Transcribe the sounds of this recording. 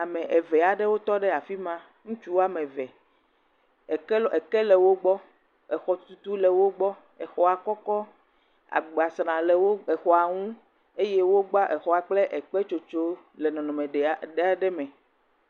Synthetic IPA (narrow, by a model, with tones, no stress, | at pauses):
a˨mɛ̃˨ʔɛ˨vɛ˨a˨ɖe˦wo˦t̪ɔ˦ɖɛ˦a˨fi˦mã˦ | ŋũ˦t͡ʃu˦wa˦mẽ˨vɛ˨ | kɛ˨kɛ˦lɛ˨wo˦ɡ͡bɔ˦ | ɛ˨xɔ˨t̪u˨t̪u˦lɛ˨wo˦ɡ͡bɔ˦ | ɛ˨xɔ˨a˨kɔ˦kɔ˦ | a̰˨ɡ͡ba˨snã˨le˨wo˦ɛ˨xɔ˨a˨ŋũ˦ | e˦je˦wo˦ɡ͡ba˦ʔɛ˨xɔ˨a˨k͡ple˦ʔɛ˨k͡pe˦t͡ʃo˨t͡ʃo˦ | le˨nɔ̃˨nɔ̃˨mẽ˨ɖe˨ɖe˦a˨ɖɛ˦mɛ̃˨